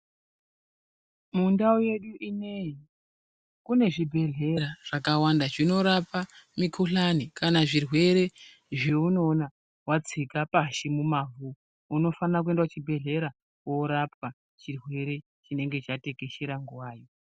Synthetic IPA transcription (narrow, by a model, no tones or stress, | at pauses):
mundaoje̞ɗuʔine̞ji | kune̞ʐibʱe̞ɮe̞ɾaʐ̥akawandaʐino̞ɾapamikʰuɬanikʰanaʐirwe̞ɾe̞ | ʐeuno̞ːna | wat͡sikapaʃimumavu | uno̞fanak̬ue̞ndwat͡ʃibʱe̞ɮe̞ɾa | woɾap̚a | t͡ʃirwe̞ɾe̞ | t͡ʃine̞ŋɡe̞t͡ʃate̞keʃeɾaŋɡuwaːjo̞